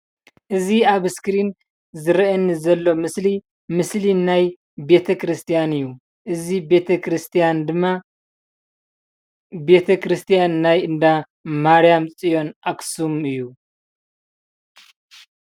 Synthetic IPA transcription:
ʔɨziaβɨskɾin | zɨɾɐʔɐnzɐlːo̞mɨsli | mɨslinaj | be̞t̪ʰɐkɾɨst̪ʰijanɨjːu | ʔɨzibe̞t̪ʰɐkʰɾɨst̪ʰijand̪ɨmːa | be̞t̪ʰɐkʰɾɨst̪ʰijanːajɨnd̪a | maɾijamt͡sʼijo̞nʔaksumɨjːu

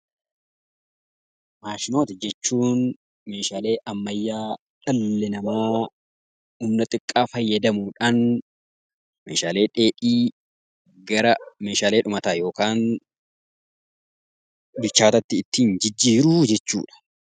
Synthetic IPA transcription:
maːʃɪno̞ːt̪ɪd͡ʒɛt͡ʃːuːn | me̞ːʃaːle̞ːʔɐmːɐjːaː | ᶑɐlːɪnɐmoː | umnɐt̪ʼɪkʼːaːfɐjːɐd̪ɐmuːᶑaːn | meːʃaːle̞ːᶑeːᶑiː | ɡɐɾɐme̞ːʃaːle̞ːᶑʊmɐt̪aːjo̞ːkaːn | bɪt͡ʃːaːt̪ɐt̪ːɪːt̪ːiːnd͡ʒɪd͡ʒːiːɾʊd͡ʒɛt͡ʃːṵːᶑɐ̥

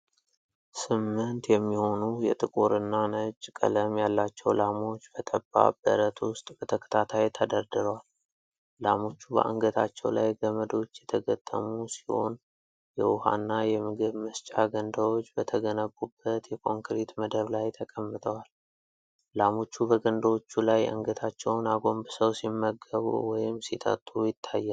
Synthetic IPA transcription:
sɨmːɨnt̪jɛmːiho̞nujɛt̪ʼɨkʼuɾɨnːanət͡ʃʼːkʼə̰ləmjalːat͡ʃːɛwlamo̞t͡ʃːbət̪ʰʼəbːa̰b̥ə̰ɾət̪wʊst̪ʼb̥ət̪ʰəkʰə̥t̪ʰat̪ʰajt̪ʰəd̪əɾd̪ɨɾəwal | lamo̞t͡ʃːubə̰ʔa̰ŋɡət̪ʰat͡ʃːɛwlajɡəməd̪o̞t͡ʃːjɛt̪ʰəɡət̪ʼːə̰musi̥ho̞̰n | jɛwʊha̰nːajɛmɨɡɨβməst͡ʃʼaɡənd̪əwo̞t͡ʃːbət̪ʰəɡənəbːubːət̪jɛkʰʼo̞ŋkɾet̪məd̪əβlajt̪ʰəkʼəmːɨt̪ʼʰəwal | lamo̞t͡ʃːubəɡənd̪awot͡ʃːulajʔɨ̰ŋɡət̪ʰat͡ʃːɛwnaɡo̞mbɨsəwsimːəɡːəβṵwɔjɪmsit̪ʼʰə̰t̪ʼːujɪt̪ʰːajːɛ

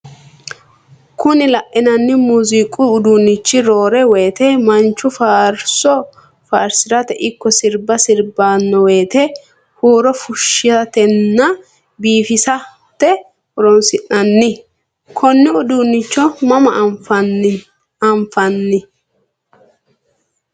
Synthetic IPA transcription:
kʊnɪlɐʔɛnɐnːɪmuzikʼʊːd̪unːɪt͡ʃːɪɾoːɾɛweːt̪ɛmɐnt͡ʃːʊfaːɾsɔ | faːɾsɪɾɐt̪ɛʔɪkːɔsɪɾbɐsɪɾbaːnːɔweːt̪ɛ | huːɾɔfʊʃːɪɐt̪ɛnːɐ | biːfɪsɐ | t̪ɛ | ɔɾɔnsɪʔɐnːɪ | kʰɔnːɪʊd̪unːɪt͡ʃːɔmɐmɐfɐ | ɐmfɐnːɪ

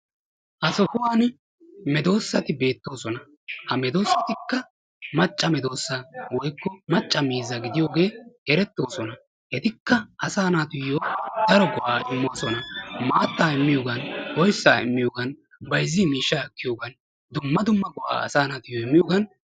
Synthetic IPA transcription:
ʔɐsɔkʊwaːn | mɛd̪o̞ːsːɐt̪ɪbe̞ːt̪ːo̞ːsɔnɐ | hɐmɛd̪o̞ːsːɐt̪ɪkːɐ | mɐt͡ʃʼːɐmɛd̪o̞ːsːaːwɔjkːɔmɐt͡ʃʼːɐmiːzɐɡɪd̪ɪjoːɡe̞ːɛɾɛt̪ːo̞ːsɔnɐ | hɛt̪ɪkːɐʔɐsaːnaːt̪ʊjːoːd̪̥ɐɾɔɡɔʔaːʔɪmːoːsɔnɐmaːt̪ːaːɪmːɪjoːɡɐnwɔjsːaːɪ̰mːɪjoːɡɐn | bɐjzːiːmiːʃːaːɛkːɪjoːɡɐn | d̪ʊmːɐd̪ʊmːɐɡɔʔa̰ːɐ̰saːnaːt̪ʊjːoːɪmːɪjoːɡɐn

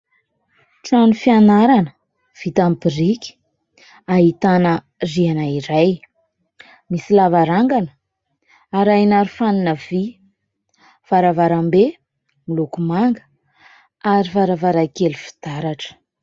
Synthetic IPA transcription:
ʈ͡ʂanifianaɾanə | v̥it̪ampirikʲi̥ | aɦit̪anə | rianaiɾaj | misilavaɾaŋɡanə̥ | aɾajnaɾufaninəv̥i | v̥aɾavaɾambe | milukumaŋɡə̥ | aɾivaɾavaɾakelifi̥d̪̥aɾaʈ͡ʂə̥

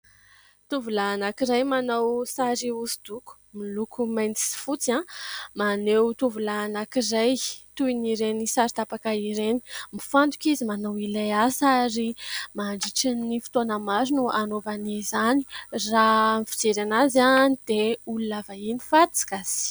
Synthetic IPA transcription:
t̪uvulanakiɾajmanawsaɾiuzid̪̥uku̥milukumajnt̪i̥si̥fut͡sãmanewt̪uvulanakiɾajt̪uiniɾenisaɾit̪apakaiɾeni̥mifant̪ukizimanawilajasaɾimaɳɖ͡ʐiʈ͡ʂinifi̥t̪onəmaɾinuanovanizaniramifi̥d͡ʒeɾanazanid̪̥eulunavainifat̪t͡si̥kasi̥

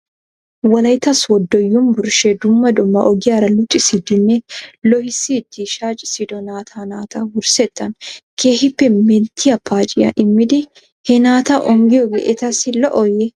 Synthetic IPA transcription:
wɐlɐjt̪ɐswɔd̪ːɔjːʊmbʊɾʃed̪ʊmːɐd̪ɔmːɐʔɔɡɪɐɾɐlʊt͡ʃʼːɪsɪd̪ɪnːɛlɔhɪsit̪ːiʃaːt͡ʃʼɪsɪd̪ɔnaːt̪ʰanaːt̪ʰɐɡʊɾsɛt̪ːɐnkʰeːhɪpːɛmɛnt̪ʰɪɐpʰːaːt͡ʃʼɪjɐ̰ʔɪmːɪd̪ɪ | hɛnaːt̪ɐʔɔŋɡɪɔɡɛʔɛt̪ɐsɪlɔʔɔjɛ

